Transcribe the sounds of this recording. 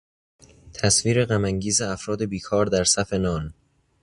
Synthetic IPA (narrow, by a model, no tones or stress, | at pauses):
t̪ʰæsviːɾe̞ɣæmæŋɟiːzeæfɾɒːd̪e̞biːkʰɒːɾd̪æɾsæfe̞nɒːn